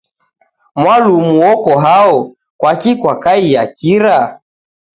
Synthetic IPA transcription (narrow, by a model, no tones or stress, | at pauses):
mwalumuwɔkɔɦaɔ | kwakikwakaijakiɾa